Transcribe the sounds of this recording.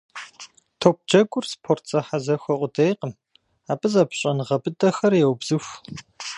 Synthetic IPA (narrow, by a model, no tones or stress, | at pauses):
tʰoːp̚d͡ʒɐɡʷʼʊrspʰortʰt͡sʼɐħazɐxʷɐʔʷʼʊdejqəm | aːpʼɨzaːpɕʼɐnɨʁɐbʼɨdʼɐxɐrjɛwbz̥ɨxʷ